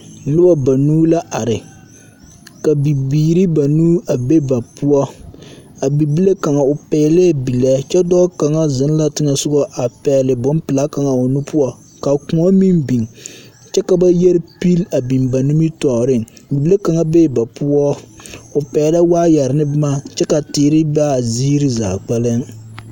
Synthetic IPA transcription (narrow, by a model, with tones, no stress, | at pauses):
lʊ˦ba˨ba˨nuː˦la˦ʔa˨ɾɪ˨ | ka˨bi˨biː˨ɾi˦ba˨nuː˦a˨be˦ba˨pu˦ɔ˦ | a˨bi˨bi˦le˦ka˨ŋa˨ʊ˨pɛː˨lɛ˦˨bi˨lɛ˨t͡ʃɛ˦dɔː˦ka˨ŋa˦zɪ˨˦n˦la˦tɪ˦ŋa˨sʊ˦ɡɔ˦ʔa˨pɛː˨lɪ˨bʊ˨˦m˦pɨ˨la˦ka˨ŋa˨o˨nu˦pu˦ɔ˦ | ka˨kũ˨ŋɔ˦mi˦nbi˨ŋ | t͡ʃɛ˦ka˨ba˦jɛ˦ɾpi˦la˨bi˨mba˨nu˦mi˦tɔː˨ɾɪ˦ŋ˨bi˨bi˦le˦ka˨ŋa˦be˦˨ba˨pu˦ɔ˦ʊ˨pɛː˨˦la˦waː˦ja˨ɾɪ˨nɨ˦bma˦t͡ʃɛ˦ka˨tɪː˨˦ɾɪ˦ba˦˨zi˦ɾi˦za̰ː˨k͡pa˦lɪ˦ŋ